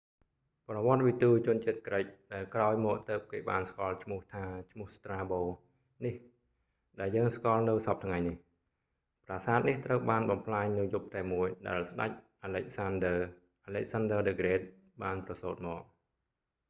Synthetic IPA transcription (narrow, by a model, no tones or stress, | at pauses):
prɑʋŏət̪̚ʋit̪uːt͡ɕʊ̆ənt͡ɕiət̪̚krəc̚ɗaɛlkraɔjmɔːʔ̚t̪əːp̚keːɓaːnskŏəlt͡ɕʰmʊ̆əht̪ʰaːt͡ɕʰmʊ̆əst̪raːɓoː | nih | ɗaɛljəːŋskŏəlnɨwsɑp̚t̪ʰŋajnih | praːsaːt̪̚niht̪rəwɓaːnɓɑmpʰlaːɲnɨwjup̚t̪aɛmːuəjɗa̰ɛlsɗa̰c̚ʔaːlɛc̚sandə | ʔalɛc̚sanɗəːɗeɡreːt̪̚ | ɓaːnprɑsoːt̪̚mɔːk̚